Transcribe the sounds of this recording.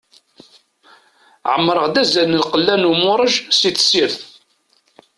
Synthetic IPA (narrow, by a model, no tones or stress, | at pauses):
ʕəmːɾˤəʁd̪æzænəlqəlːænumʊɾˤəʒsiθsiɾθ